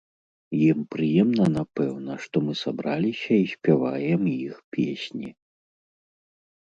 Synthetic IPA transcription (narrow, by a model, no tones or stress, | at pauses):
jimpɾɨjɛmnɐnapɛwnɐʂt̪ɔmɨsabɾalʲisʲɐisʲpʲavajɛmjixpʲesʲnʲi